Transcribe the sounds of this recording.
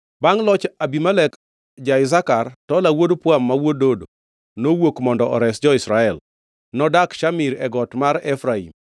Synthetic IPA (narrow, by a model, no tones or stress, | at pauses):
baŋlɔt͡ʃabimalɛk | d͡ʒaɪz̬akartɔlawodpwamːawododo | nowokmɔndɔʔɔɾɛsd͡ʒɔɪsɾaɛl | nɔdakʃamiɾɛɡɔtmaɾɛfɾaḭm